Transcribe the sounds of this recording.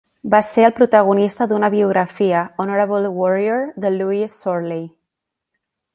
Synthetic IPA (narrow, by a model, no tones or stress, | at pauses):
baseəlˠpɾut̪aɣ̞unist̪əðunəβiuɣɾəfiəɔnoɾəβəlˠwɔɾioɾðəluisːɔɾli